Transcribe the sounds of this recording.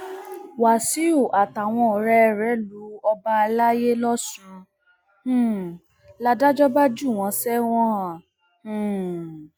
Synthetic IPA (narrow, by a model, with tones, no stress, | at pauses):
wa˨si˨˦o˦˨ʔa˨ta˨w̃ɔ̃˧ɔ˨ɾɛ˦˧ɾɛ˨˦lu˨˦ɔ˧ba˧a˧la˦je˦lɔ˦sũ˧˨ | la˧da˦d͡ʒɔ˦ba˦d͡ʒu˦˨w̃ɔ̃˨˧sɛ˦w̃ɔ̃˦˨